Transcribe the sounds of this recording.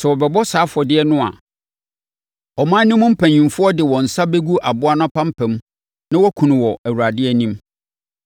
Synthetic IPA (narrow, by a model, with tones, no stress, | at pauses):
sɛ˨wɔ˨bɛ˨bɔ˦saː˨˦fʊ˨ɔ˨dɪ˦ɛ˦nʊ̃˦a̰˨ | ɔ˨mãː˦nĩ˦mʊ̃˦m̩˦pʰæ̃˨ɲĩ˨mfʊ˦ɔ˦dɪ˨wɔ̃˨n̩˨sa˦be˦ɡu˦ʔa˨bʊ˦a˦nʊ̃˦ã˦pʰã˦m̩˦pʰæ̃˨m˦ | nã˦wɔ˦kʰũ˨nʊ̃˨wɔ˨æ˨wu˨ɾa˨dɪ˦ɛ˦nĩ˦m